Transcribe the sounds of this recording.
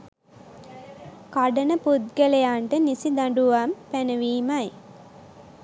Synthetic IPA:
kaɖənəpud̪̚ɡelejaːɳʈənisid̪aɳɖuʋaːmpænəʋiːmaj

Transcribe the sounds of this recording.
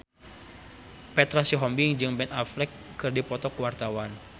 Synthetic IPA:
pɛt̪ɾasiɦɔmbiŋd͡ʒɨŋbɛnaflɛkːɨrdipɔt̪ɔkwart̪awan

